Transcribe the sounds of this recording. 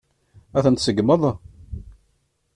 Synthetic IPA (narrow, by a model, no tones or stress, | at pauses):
æθənt̪səɡməðˤɑ